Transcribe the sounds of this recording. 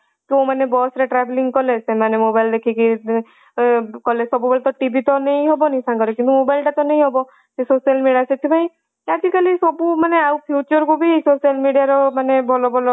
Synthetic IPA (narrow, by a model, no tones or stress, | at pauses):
k̪õmanebɔsɾeʈɾabeliŋɡkɔlesemanemobaild̪ekʰiki | kɔlesɔbubʱɔlɔt̪ɔʈibit̪ɔnej̃ɦɔbɔnisãŋkɔɾekint̪umobajlʈat̪ɔneĩɦɔbɔ | sesosijalmiɖiasʰet̪ʰibʱaĩ | ad͡ʒikalisɔbumaneawpʰjut͡ʃɔɾkubʱisosalmiɽijaɾɔmanebʱɔlɔbʱɔlɔ